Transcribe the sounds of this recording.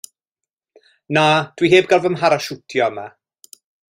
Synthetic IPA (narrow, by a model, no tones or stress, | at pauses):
nad̥wiɦeːbɡalˠvəmɦaɾaʃutʰjɔəma